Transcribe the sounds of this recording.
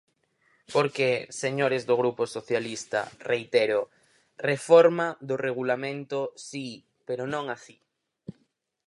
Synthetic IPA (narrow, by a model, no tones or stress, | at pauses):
poɾkeseɲoɾezðoɣ̞ɾuposoθjalist̪a̰rejt̪eɾo | refɔɾmaðoreɣulamẽnt̪osi | peɾonõŋasi